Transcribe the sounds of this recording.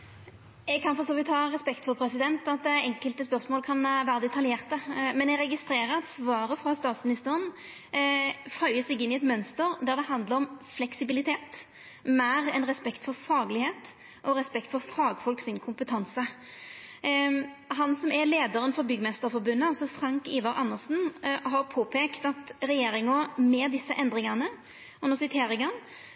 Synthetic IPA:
ɛɡkʰɑnfɔʁsoːʋɪt̪hɑːʁɛspɛkt̪fɔɾpʰɾɛsɪd̪ɛnt̪ɑt̪̚d̪ɛɛŋkəlt̪əspœʁsmoːlkʰɑnʋæːɾəd̪ɛt̪ʰɑljeːʁt̪əmɛnɛɡɾɛɡɪst̪ɾeːɾəɾɑt̪sʋɑːɾəfɾɑst̪ɑːt̪smɪnɪst̪əɾən | fœʏəsɛɡɪnːɪɛt̪mœnst̪əɾd̪æʁd̪ɛhɑnd̪ləɾɔmflɛksɪbɪlɪt̪ʰeːt̪ | mæːɾɛnʁɛspɛkt̪fɔɾfɑːɡlɪheːt̪ | ʔɔɾɛspɛkt̪fɔɾfɑːɡfɔlksɪnkʰʊmpət̪ʰɑnsə | ɦɑnsɔmɛleːd̪ɑɾənfɔɾbʏɡmɛst̪əɾfɔɾbʉnːəɔsɔfɾɑŋkiːʋɑɾɑnːəsn̩ɦɑɾpʰoːpʰeːkt̪ɑt̪ɾɛjeːɾɪŋɔmɛd̪ɪsːəʔɛnd̪ɾɪŋɑnə | ɔnəsɪt̪ʰeːɾɪŋən

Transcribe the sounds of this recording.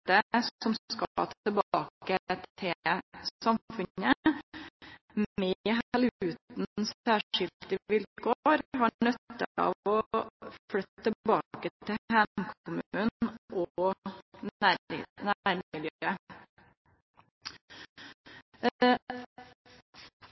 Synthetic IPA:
t̪əsɔmkɑɑ̰t̪əbɑːkət̪ʰɪsɑmfʉnə | meɦælʉːt̪n̩n̩sæːʂɪlt̪ɪʋɪlkʰoɾhɑnœt̪ːəɑ̰ːʋɔflœt̪t̪əbɑːkət̪ʰɪhæmkʰʊmʉʉnʔɔ | ænæɾmɪljøːə

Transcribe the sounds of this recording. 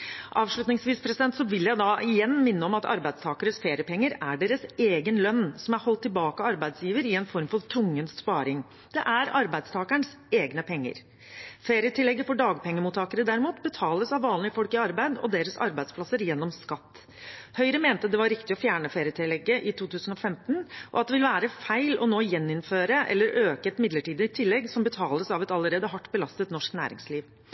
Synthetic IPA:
ʔɑːʋʂɭʉt̪nɪŋsʋiːspʰɾɛsɪd̪ɛnt̪sɔʋɪljæɪd̪ɑʔɪjɛnːmɪnːəɔmɑt̪ɑ̰ɾbæɪd̪st̪ʰɑːkəɾəsfeːɾɪəpʰɛŋːəɾæɖeːɾəseːɡənlœnːsɔmæɾhɔlt̪ʰːɪlbɑːkəɑɾbæɪd̪sjiːʋəɾɪɛnfɔɾmfɔɾt̪ʰɾʊŋːənsspɑːɾɪŋ | d̪̥ɛʔæɾɑɾbæɪd̪st̪ʰɑːkəɳəs | eːɡnəpʰɛŋːə̰ɾ | feːɾɪət̪ʰɪlːɛɡːəfɔɖɑːɡpɛŋːəmuːt̪ʰɑːkəɾəd̪æɾmuːt̪bət̪ʰɑːləsɑʋːɑːnlɪəfɔlkɪɑɾbæɪd̪ɔ̰d̪eːɾəsɑ̰ɾbæɪd̪spʰlɑsəɾjɛnːɔmskɑt̪ː | hœʏɾəmeːnt̪əd̪ɛʋɑɾɪkt̪ɪɔfjæːɳəfeːɾɪət̪ɪlːɛɡːəʔɪt̪ʰuːt̪ʰʉːsən̩ɔfɛmt̪nʔɔ̰ɑt̪̚d̪ɛʋɪlʋæːɾəfæɪlɔ̰noːjɛnːɪnføːɾəʔɛ̰lːəɾʔøːkəɛt̪mɪd̪ləʈiːd̪əɪt̪ʰɪlːɛɡsɔmbət̪ʰɑːləsɑʋɛt̪ɑlːəɾeːd̪əɦɑʈːbəlɑst̪ət̪nɔʂknæ̰ːɾɪ̰ŋsliːʋ

